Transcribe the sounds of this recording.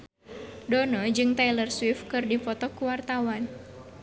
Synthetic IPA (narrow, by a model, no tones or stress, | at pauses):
dɔnɔd͡ʒɨŋt̪alərswifkɨrdifɔt̪ɔkuwart̪awan